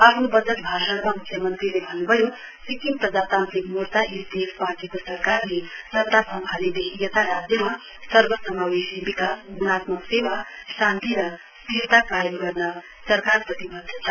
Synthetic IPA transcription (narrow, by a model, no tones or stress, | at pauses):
apʰnobʌd͡zʌt̪̚bʱaʃəɽmamukʰjʌmʌnt̪ɾilebʱʌnːubʱʌjo | sikimpɾʌd͡zat̪ant̪ɾikmuɾt̪aʔisd̪esparʈikosʌɾkarnesʌt̪asʌŋbʱaled̪eijʌt̪ʰaɾad͡zjʌma | sʌɾbʌsʌmawesibikasɡunat̪mʌksewasãnt̪iɾʌ | st̪ʰiɾt̪akajemɡʌrnʌ | sʌɾkarprʌt̪ibʌd̪ʱːʌt͡sʰʌ